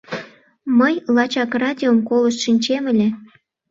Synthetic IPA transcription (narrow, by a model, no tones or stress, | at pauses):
məjlɑt͡ɕɑkrɑd̪ʲiomkoləʃʃinʲt͡ɕemə̆lʲĕ